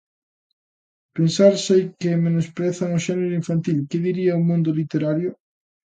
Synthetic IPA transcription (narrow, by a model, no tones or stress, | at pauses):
pensaɾsejkɪmenospɾeθaŋʊʃɛneɾʊiɱfant̪ilkɪðiɾiaomũnd̪ʊlit̪eɾaɾjʊ